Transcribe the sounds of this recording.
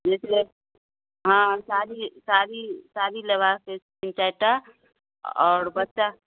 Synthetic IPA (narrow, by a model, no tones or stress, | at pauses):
d͡ʒesee | ɦãsaɾisaɾisaːɾilebʱakkes | ĩnt͡ʃajt̪a | ɔːɾbətːt͡ʃa